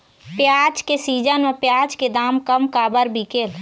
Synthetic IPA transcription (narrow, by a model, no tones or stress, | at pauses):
pjaːd͡ʒkesiːd͡ʒənmẽpjaːd͡ʒked̪aːmkəmkaːbəɾbʱikeːl